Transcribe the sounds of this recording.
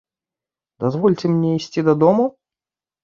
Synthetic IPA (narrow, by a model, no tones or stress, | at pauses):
d̪ɐzvɔlʲt͡sʲɪmnʲeɛisʲt͡sʲid̪ɐd̪ɔmu